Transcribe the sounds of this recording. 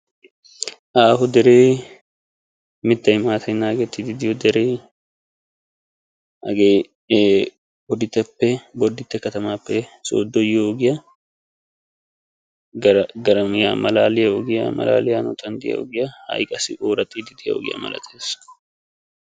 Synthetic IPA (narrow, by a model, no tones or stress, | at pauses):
ʔaːɦʊd̪ɛɾeː | mɪt̪ːɐjmaːt̪ʰɐjnːaːɡɛt̪ːɪd̪ɪd̪ɪjɔd̪ɛɾeː | ɐɡe | bɔd̪ɪt̪ːɐpːɛbɔd̪ɪt̪ːɛkɐt̪ɐmaːpːɛso̰ːd̪ːɔjoɔɡɪjɐ | ɡɐɾɡɐɾɐmɪja̰ːmɐlaːlɪjɐɔɡɪja̰mɐ̰la̰ːlɪjaːnʊ̰t̪ʰɐnd̪ɪjɐ̰ɔ̰ɡɪjɐhɐ̰jkʼɐsɪ̰ʔoːɾɐt̪ʼːiːd̪ɪd̪ɪjɐ̰ɔ̰ɡɪ̰jɐ̰mɐ̰lɐ̰t̪ʰeːs